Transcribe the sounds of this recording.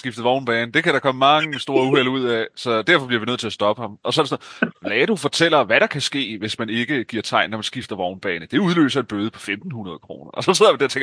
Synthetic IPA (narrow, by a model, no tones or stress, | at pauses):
sɡ̥ifd̥ð̩ˠʋɒʊnb̥ɛːnəd̥e̝kʰæɾ̥ɑ̈kʰɒ̽məmɑ̈ŋəsd̥o̝ːɐuhel̰uð̞̰ˠɛsɒ̽d̥æɐ̰fɒ̥liɐʋinøð̰ˠt͡sʰe̝æsd̥ɒ̽b̥əhɑ̈mɒ̽sɒd̥snʋɛːd̥ufɒ̽t͡sʰel̰ɐʋæɾ̥ɑ̈kʰæsɡ̥e̝̰ːʋe̝smæne̝ɡ̥əɡ̥iɐ̰t͡sʰɑ̈ɪ̰nːɒmænsɡ̥ifd̥ɐʋɒʊnb̥ɛːnəd̥e̝uð̞ˠlø̰ːsɐe̝nb̥øːð̞ˠəpʰɒ̽femd̥n̩hunɐð̞̩ˠəkʰʁo̝̰ːnɐʔɒ̽sɒ̽seð̰ˠjmd̥æɐt͡sʰeŋɡ